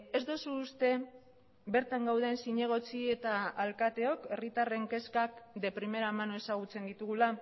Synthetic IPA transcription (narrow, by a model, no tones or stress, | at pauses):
e̞zd̪o̞suːst̪e̞ | be̞ɾt̪aŋɡawðe̞nsiɲe̞ɣ̞o̞t͡sie̞t̪aːlkat̪e̞o̞ke̞rit̪are̞ŋke̞skak̚d̪e̞pɾime̞ɾamanoe̞saɣ̞ut͡se̞nd̪it̪uɣula